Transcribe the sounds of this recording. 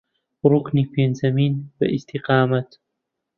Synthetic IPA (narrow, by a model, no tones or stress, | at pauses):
ɾukniːpeːnzɐmiːnbɐ̰ʔist̪ʰiqɑːmɐt̪